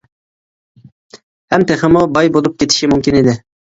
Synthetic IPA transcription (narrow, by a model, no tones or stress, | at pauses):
hɛmt̪ʰeχɪmubɑjbolˠup̚kʲʰet̪ʰɪ̥ʃimumkʲinid̪ɪ